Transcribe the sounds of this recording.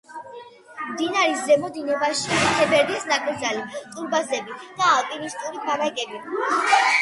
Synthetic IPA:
md̪inaɾiszɛmɔd̪inɔbaʃit̪ʰɛbɛɾd̪ɛsnakʼld̪zalit̪sʼuɾbazlɛbid̪̥aːlˠpʼinist̪ʼuɾit̪ʰmaɾakʼɛbi

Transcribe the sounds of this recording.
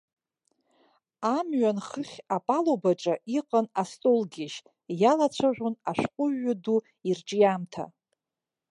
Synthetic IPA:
amɥanχəχʲapʼalobaʈ͡ʂʼaʔiqʼanastʼolɡʲɪʃ | jalat͡ɕʷʰaʒʷʊnaʂqʷʼʊɥːadu | irʈ͡ʂʼijamtʰa̰

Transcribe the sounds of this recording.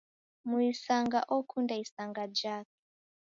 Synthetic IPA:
muisaŋɡa̰ʔɔkʰundaisaŋɡad͡ʒaːk̚ʰɛ̥

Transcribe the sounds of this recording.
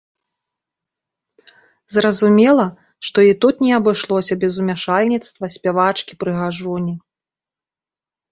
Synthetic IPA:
zrɐzumʲɛlˠɐ | ʂt̪ɔit̪ut̪nʲɛɐbɨʂlˠɔsʲɐbʲɛzumʲaʂalʲnʲit̪st̪vɐsʲpʲavat͡ʂkʲipɾɨɣaʐɔnʲi

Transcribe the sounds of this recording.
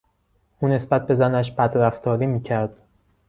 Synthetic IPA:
ʔuːne̞sbæt̪̚be̞zænæʃ̬bæd̪ɾæft̪ʰɒːɾiːmiːcʰæɾd̪̥

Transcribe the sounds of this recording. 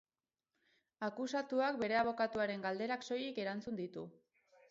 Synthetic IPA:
akusat̪uakbe̞ɾe̞aβ̞o̞kat̪uaɾe̞ŋɡald̪e̞ɾakso̞jike̞ɾant͡sund̪it̪u

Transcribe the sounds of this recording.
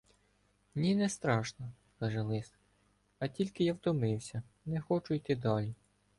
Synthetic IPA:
nʲinɛst̪ɾɑʃnɐ | kɑʒɛlˠɪs | ɐtʲilʲkɪjɑwt̪ɔmɪwsʲɐ | nɛxɔt͡ʃʊjt̪ɪd̪ɑlʲi

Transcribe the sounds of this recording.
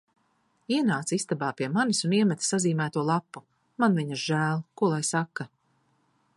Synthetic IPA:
iɛnaːt̪sist̪abaːpiɛmanisuniɛmʲɛt̪i̥saziːmæːt̪uɔlˠapːu | manviɲiɾʒæːlˠkuɔlˠajsakːa

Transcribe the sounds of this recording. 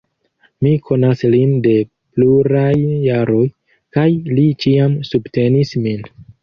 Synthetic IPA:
mikʰo̞naslinde̞ | pluɾajːaɾo̞j | kajlit͡ʃiamsubte̞nismin

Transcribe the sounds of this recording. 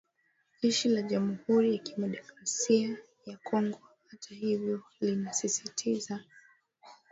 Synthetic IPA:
ʎiʃilaʄamuhuɾijakimɛɗɔkɾasia | jakɔŋɡɔhatʰahivjɔlinasisitʰiza

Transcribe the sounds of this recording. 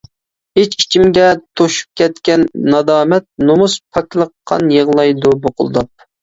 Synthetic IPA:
het͡ʃi̥t͡ʃʰimɡʲɛt̪ʰoʃu̥p̚kʲɛt̪kʲɛnːɑd̪ɑːmɛt̪̚nomuspʰɑkʲlˠəqʰːɑ̰njəʁlˠɑjd̪uboqʰʊ̰lˠd̪ɑp̚

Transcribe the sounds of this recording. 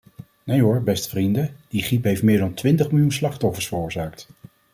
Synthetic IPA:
nejɦʊɹbɛstfrindəd̥iχipɦejftmɪːɹdɑntʋɪntəχmɪlˠjunslɑχtɔfəɹsfərʊːɹzaːkt

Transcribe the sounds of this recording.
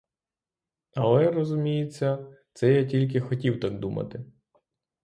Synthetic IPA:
ɐlˠɛrɔzʊmʲijɪt͡sʲːɐt̪sɛjatʲilʲk̬ɪxɔtʲiwt̪ɑɡd̪umɐ̰t̪ɪ

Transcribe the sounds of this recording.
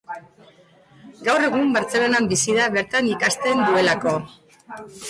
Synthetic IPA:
ɡawre̞ɣ̞umbaɾt͡se̞lonambisiðaβe̞ɾt̪anikast̪e̞nd̪ue̞lako̞

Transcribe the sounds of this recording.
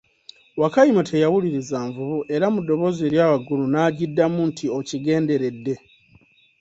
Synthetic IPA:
wakajimatʰe̞jawuliɾizaːɱvuβuʔe̞ɾamudːo̞βo̞ːze̞ːɾjaːβaɡulunaːɟidːamuntʰiociɡe̞ːnde̞ɾe̞dːe̞

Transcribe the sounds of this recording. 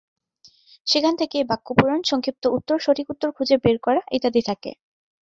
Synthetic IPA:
ʃikʰant̪ʰekejbakːupuɾonʃɔŋkʰip̚t̪oʔut̪ːoɾʃoʈʰikut̪ːoɾkʰud͡ʑebeɾkɔɾaʔet̪ad̪it̪ʰakḛ

